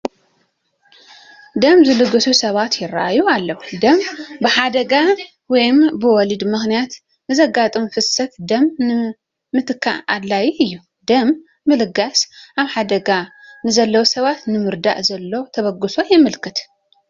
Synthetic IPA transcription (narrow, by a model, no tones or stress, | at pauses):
d̪ɐmzɨlɨɡɨsusɐβat̪jɪrːaʔajualːɐwud̪ɐmbɨħad̪ɐɡa | wɔjmbɨwɔlid̪mɨxnijat̪ | nɨzɐɡat̪ʼɨmfɨsɐt̪d̪ɐmnɨː | ɨt̪ʰɨkʰːa̰ʔa̰d̪lajiɨjːu | d̪ɐmː | ɨlɨɡasaβħad̪ɐɡanɨzɐlːɐwsɐβat̪nɨmɨɾd̪a̰ʔzɐlːo̞t̪ʰɐβɐɡɨso̞jɪmɨlkʰɨt̪